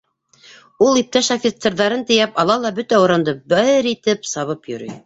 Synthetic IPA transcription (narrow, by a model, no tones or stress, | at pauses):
ulˠip̚t̪æʃafʲɪt̪serðɑɾɤnt̪ɘ̆jæpɑlˠɑlˠɑbɵt̪æuɾɑnd̪ɤbɘɾit̪ɘpsɑβɤpjɵ̆ɾyj